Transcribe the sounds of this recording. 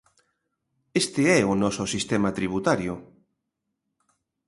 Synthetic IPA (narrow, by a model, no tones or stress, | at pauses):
est̪ɪɛʊnɔsʊsist̪ɛmat̪ɾiβut̪aɾjʊ